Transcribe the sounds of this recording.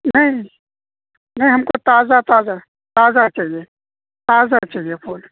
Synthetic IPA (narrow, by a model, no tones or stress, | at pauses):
nɐɦĩ | nɐɦĩɦɐmkot̪aːzat̪aːza | t̪aːzat͡ʃaːɦie | t̪aːzat͡ʃaːɦiepʰoːl